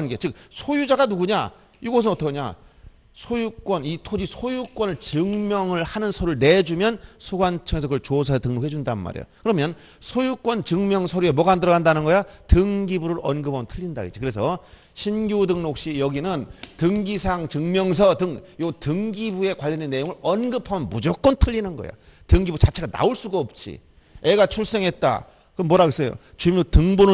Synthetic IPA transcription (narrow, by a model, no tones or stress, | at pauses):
anɡet͡ɕɯk̚sʰojud͡ʑaɡanuɡuɲa | iɡʌs̬ʰɯnʌtʰʌkɲa̰ | sʰojuk͈wʌnitʰod͡ʑisʰojuk͈wʌnɯɭt͡ɕɯŋmjʌŋɯɭhanɯnsʰoɾɯɭne̞d͡ʑumjʌnsʰoɡwant͡ɕʰʌŋe̞s̬ʰʌkɯɾʌt͡ɕos̬ʰasetɯŋnokhed͡ʑundanɯnma̰ɾḛjo̰kɯɾʌmjʌn | sʰojuk͈wʌnt͡ɕɯŋmjʌŋsʰoɾue̞mwʌɡandɯɾʌɣandanɯnɡʌjatɯŋɡibuɾɯɾʌnɡɯpʰamʌntʰɯʎːinda̰ɡḛd͡ʑikɯɾes̬ʰʌ | ɕʰinɡjudɯŋnok̚ɕ͈ijʌɡinɯntɯŋɡisʰaŋt͡ɕɯŋmjʌŋs̬ʰʌtɯŋjotɯŋɡibue̞kwaʎːʌndenːe̞joŋɯɾʌnɡɯpʰamʌnmud͡ʑʌk͈ʌntʰɯʎːinɯnɡʌ̰jo̰ | tɯŋɡibut͡ɕat͡ɕʰe̞ɡana̰oɭs͈uɡaʌp̚t͡ɕ͈ḭ | e̞ɡat͡ɕʰuɭs͈e̞ŋɦe̞t̚t͈a̰ | kɯʌnmwʌɾaɡes͈ʌjo̰ | t͡ɕuimotɯŋbonɯ